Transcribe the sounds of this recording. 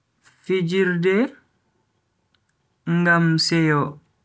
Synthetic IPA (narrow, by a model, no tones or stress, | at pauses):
fid͡ʒiɾdɛ | ŋɡamsɛjɔ